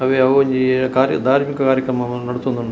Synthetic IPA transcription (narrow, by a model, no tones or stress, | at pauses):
ɐʋeɐʋɐɲd͡ʒikaːɾ̰d̪ʱaːɾmikɐkaːɾjɐkɾɐmɐ | nɐɽut̪ond̪un